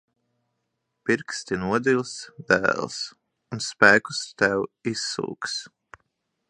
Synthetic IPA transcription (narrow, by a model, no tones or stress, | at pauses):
piɾkst̪inuɔd̪ilsd̪̥æ̰ːlˠs | unspæːku̥st̪æwisːṵːks